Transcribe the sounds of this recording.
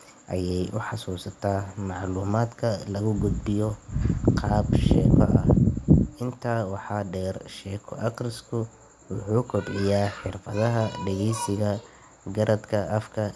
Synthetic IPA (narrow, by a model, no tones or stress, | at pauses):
ʔɐjɛjʔʊħɑsuːsɐt̪ʰaːmɑʕluːmaːd̪kʰɐlɐɣʊɡʊd̪bɪjɔqʰɑːbʃɛ̰ːkʰɔʔɐʔɪnt̪ʰaːwɑħɑːɖɛːrʃɛːkʰɔ̰ʔɐqrɪskʰʊ | wʊħuːkʰɔbʕɪjaːħɪrfɐðɐɦɐɖɛɣejsɪɣɐ | ɡɐɾʔɐd̪kʰɐʔɐfkʰɐ